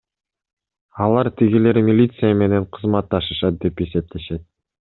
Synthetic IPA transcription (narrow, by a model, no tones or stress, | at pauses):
ɑlˠɑɾt̪ʰiɡile̞ɾmʲilʲit̪sɨjəme̞ne̞ɴqʰɯzmɑt̪ːɑʃɯʃɑt̪̚d̪e̞pe̞se̞p̚t̪e̞ʃe̞t̪̚